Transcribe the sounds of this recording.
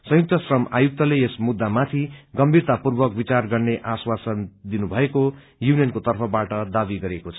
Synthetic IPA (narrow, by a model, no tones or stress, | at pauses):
sʌ̃juk̚t̪ʌsrʌma̰juk̚t̪ʌleesmud̪ːamat̪ʰiɡʌmbʱirt̪apurbʌk̚bit͡sarɡʌrneʔaswasʌnd̪inubʱʌeko | junijʌnkot̪ʌrpʰʌbaʈʌd̪abiɡʌɾekot͡sʰʌ̥